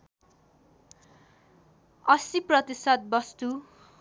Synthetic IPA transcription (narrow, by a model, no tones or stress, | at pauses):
ʌsiprʌt̪isʌt̪̚bʌst̪u